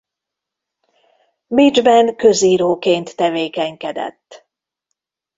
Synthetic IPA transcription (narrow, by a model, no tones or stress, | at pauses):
bid͡ʒbɛnkøziːɾoːkeːnt̪ːɛveːkɛŋkɛd̪ɛ̰t̪ː